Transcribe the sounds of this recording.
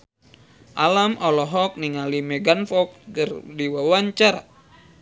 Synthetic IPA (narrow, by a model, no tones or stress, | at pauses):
ʔalamɔlɔɦɔk̚niŋalimɛɡanfɔk̚kərdiwawaɲt͡ʃaɾa̰